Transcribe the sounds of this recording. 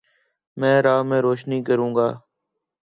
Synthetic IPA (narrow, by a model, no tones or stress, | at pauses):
mɛ̃ːɾaːmẽːɾoːʃniːkəɾũːŋɡaː